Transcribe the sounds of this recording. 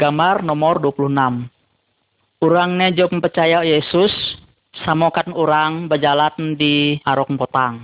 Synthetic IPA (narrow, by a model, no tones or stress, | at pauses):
ɡamarnɔmɔrduapulunam | uɾaŋnɛd͡ʒawpəmpərt͡ʃajajesʊsː | amokanuɾaŋbəd͡ʒalatdiaɾɔkpɔt̪aŋ